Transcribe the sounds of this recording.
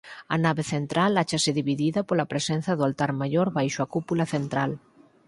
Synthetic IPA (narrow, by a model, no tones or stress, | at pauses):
ɐnaβeθent̪ɾalat͡ʃasɪðiβiðiðɐpolɐpɾesɛn̟θɐðʊalt̪aɾmajoɾβajʃʊakupulɐθent̪ɾal